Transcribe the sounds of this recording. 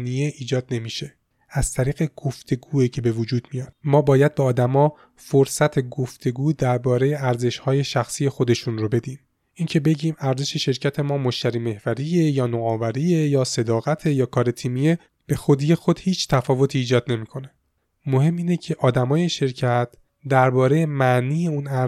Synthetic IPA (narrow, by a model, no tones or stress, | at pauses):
nijeʔiːd͡ʒɒːd̪̚ne̞miːʃe̞ | æz̥t̪ʰæɾiːɣe̞ɡ̥oft̪ʰe̞ɡuːicʰe̞be̞vod͡ʒuːd̪̥mijɒːd̪̥mɒːbɒːjæd̪̚beɒːd̪æmɒː | foɾsæt̪ʰe̞ɡoft̪ʰe̞ɡuːd̪æɾbɒːɾe̞je̞æɾze̞ʃhɒːje̞ʃæxsiːje̞xo̞d̪e̞ʃunɾobe̞d̪iːm | ʔiːncʰe̞be̞ɟiːmæɾze̞ʃe̞ʃe̞ɾcʰæt̪ʰe̞mɒːmoʃt̪æɾiːme̞hvæɾijejɒːnoɒːvæɾiːejɒːse̞d̪ɒːɣæt̪ʰe̞jɒːkʰɒːɾe̞t̪ʰiːmije | b̥e̞xod̪iːje̞xo̞d̪̥hiːt͡ʃʰt̪ʰæfɒːvo̞t̪ʰiːd͡ʒɒːd̪̥ne̞miːkʰo̞ne | mohe̞mːiːnecʰe̞ʔɒːd̪æmɒːjeʃe̞ɾcʰæt̪ʰ | d̪æɾbɒːɾe̞jemæʔniːje̞unæ